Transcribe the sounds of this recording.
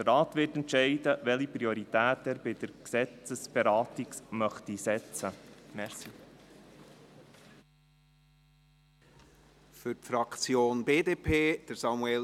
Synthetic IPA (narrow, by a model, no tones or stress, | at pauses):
dərɾɑːt̪ʋɪːtɛntʃɛɪdəʋɛlipɾioɾit̪æːtɛːɾbɪd̥̪əɾksɛt͡səsb̥ɛɾɑːtiksmœχt̪isɛt͡səmɛɾsi | fʏtfɾɑkt͡sjoːnbeːdeːpʰeːd̥əɾsɑmuɛl